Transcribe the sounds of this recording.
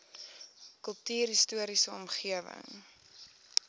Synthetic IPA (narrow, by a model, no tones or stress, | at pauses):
kəlˠtyːɾistuəɾisəɔmχiəvə̰ŋ